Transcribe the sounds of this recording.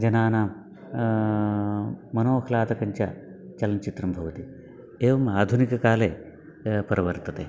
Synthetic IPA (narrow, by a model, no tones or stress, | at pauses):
d͡ʒɐnaːnaːm | mɐnoːɐkʰlaːt̪ɐkɐɲt͡ʃa̰t͡ʃɐlɐnt͡ʃit̪ɾɐmbʱɐʋɐt̪i | eːʋɐmaːd̪ʱunikɐkaːle | pɐɾɐʋɐɾt̪ɐt̪e